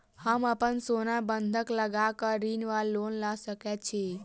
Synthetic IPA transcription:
həməpənsonabənd̪ʱəkləɡakəɾinʋalːoːnlasəkɛt̪̚t͡ʃʰi

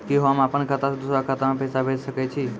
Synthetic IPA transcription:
keɦamapəɳkʰat̪asd̪usɾakʰat̪amãpɛsabʱed͡ʒʃəket͡ʃʰi

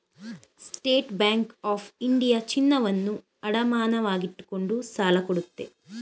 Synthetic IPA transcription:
sʈe̞ːʈbaːŋkaːfʰiɳɖijɐt͡ʃinːɐʋɐnːu | ɐɽɐmaːnɐʋaːɡiʈːu̥ko̞ɳɖusaːlɐkoɽut̪ːe̞̰

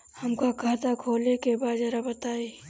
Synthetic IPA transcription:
hɐmkakʰaːt̪akʰoːlekebaːd̪d͡ʒɛɾabɐt̪aːe

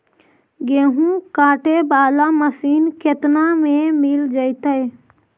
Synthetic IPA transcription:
ɡeːɦũkaːʈebaːlaməsiːnket̪namẽmɪld͡ʒəɪt̪əj

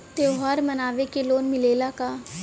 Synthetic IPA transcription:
t̪eːɦaːɾmɐnaːʋekeloːnmɪleːlakaː

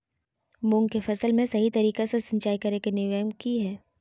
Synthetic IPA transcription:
mʊ̃ːŋɡkefɐsəlmẽsɐɦit̪ɐɾiːkesesɐ̃ɲt͡ʃaːikɐɾekenɪʋəjənkiɦɛː

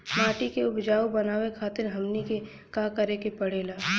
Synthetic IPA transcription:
maːʈikeʊbd͡ʒaːobɐnaːwekʰaːt̪ɪɾɦɐmnike | kaːkɐɾekepɐɽeːlaː

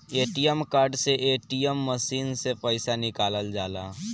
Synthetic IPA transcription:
eːʈijəmkaːɾɖseʔeːʈijəmːəʃiːnsepəɪsanɪkaːləld͡ʒaːlaː

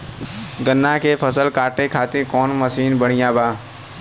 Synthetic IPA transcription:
ɡənːakepʰəsəlkaːʈekʰaːt̪eɾkɔːnməsiːnbəɽ̤̃ijãbaː

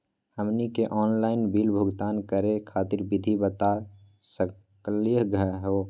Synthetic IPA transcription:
həmnikeʔɔːnlaːɪnbiːlbʱʊɡt̪aːnkəɾekʰaːt̪ɪɾbɪd̪ʱibət̪a | sə | klijəɦɡəɦo

